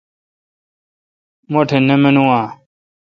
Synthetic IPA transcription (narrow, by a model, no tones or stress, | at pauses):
moʈʰenemenuãː